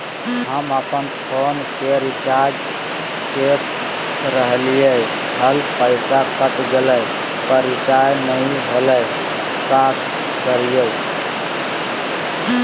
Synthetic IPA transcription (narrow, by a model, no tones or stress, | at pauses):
ɦəməpənpʰonkeɾit͡ʃad͡ʒ | kes | ɾəɦlijə | həlpəɪsakət̪ɡeləj | pəɾit͡ʃajnəiɦolə | kak | kəɾijə